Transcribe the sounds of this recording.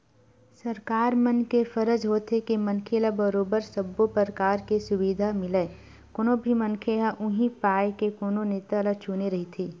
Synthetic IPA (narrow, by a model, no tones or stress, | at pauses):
sɐɾkaːɾmɐnkefəɾəd͡ʒɦoːt̪ʰekemɐnkʰeːlabɐɾoːbəɾsɐbːopəɾkaːɾkesʊʋiːd̪ʱamɪle | koːnõbʱimɐ̃nkʰeːlaʔʊɦipaːjkekoːnoneːt̪aɐləɡt͡ʃʰuːneɾɐɦit̪ʰiː